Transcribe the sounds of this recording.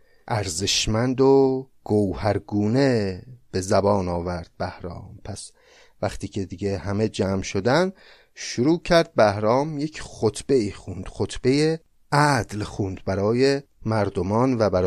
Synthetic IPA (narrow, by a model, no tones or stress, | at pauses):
ʔæɾzeʃmænd̪oɡ̥owhæɾɡuːneb̥e̞zæbɒːnɒːvæɾd̪̥̚bæhɾɒ̰ːmpʰæs | væχt̪ʰiːcʰed̪iːɟehæme̞d͡ʒæːmʃod̪æn | ʃuɾuːcʰæɾd̪̚bæhɾɒːmjecʰxot̪ʰb̥e̞iːxund̪̥xot̪ʰb̥e̞je | ʔæd̪lxund̪bæɾɒːje | mæɾd̪omɒːnvæbæɾ